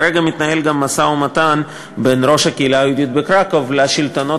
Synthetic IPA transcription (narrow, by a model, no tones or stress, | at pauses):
ɾeɡamit̪nahe̞lɡamːasaumat̪an | be̞nɾo̞ʃhakeilaajud̪jot̪̚bekɾakavlaʃilt̪ono̞